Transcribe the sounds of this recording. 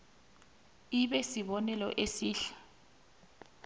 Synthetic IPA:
iɓɛsiɓɔnɛlɔ̰ʔesiːɬḁ

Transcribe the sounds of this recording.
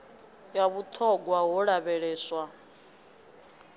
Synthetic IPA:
jaβut̪ʰɔɡwaɦɔɺaβɛɺɛːswa

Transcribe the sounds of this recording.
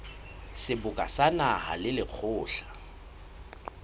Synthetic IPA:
sɪbʊkʼasanaha̰lɪlɪq͡χʰʊːɬḁ

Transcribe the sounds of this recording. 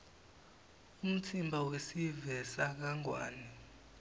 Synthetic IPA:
um̩tʰimbʱawesivɛsak̬aŋwa̰ːnɛ

